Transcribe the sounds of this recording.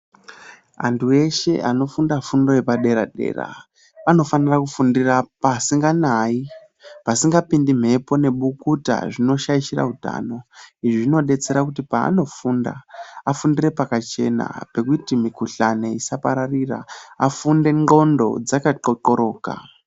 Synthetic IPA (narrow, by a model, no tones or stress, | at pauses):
a̰ntue̞ʃe̞̰ʔano̞fundafundo̞je̞paɗe̞ɾaɗe̞̰ːra̰ | ano̞fanirakufundirapasiŋɡanai | pasiŋɡapindim̤e̞po̞ne̞ɓukuta̰ʐino̞ʃaiʃira̰ɦuta̰ːno̞iʐiʐino̞ɗe̞t͡se̞ɾakutipa̰ːno̞funda̰afundire̞pakat͡ʃe̞na̰pe̞kutimikuɬane̞isapaɾarira̰afunde̞ŋo̞ndo̞̰d͡zakaǃoǃoɾo̞ːka̰